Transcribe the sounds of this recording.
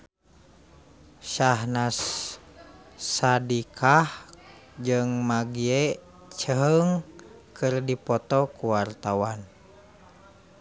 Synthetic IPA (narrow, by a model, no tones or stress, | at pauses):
ʃaɦnas | adikʰah | d͡ʒɨŋmaɡiɛ | t͡ʃəɦəŋ | kʰɨrdipɔt̪ɔkuwart̪awan